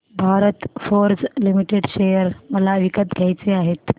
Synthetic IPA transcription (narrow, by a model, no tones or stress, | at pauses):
bʱaɾət̪foɾd͡zlimiʈeɖɕejəɾməlaʋikət̪ɡʱjajt͡seaɦet̪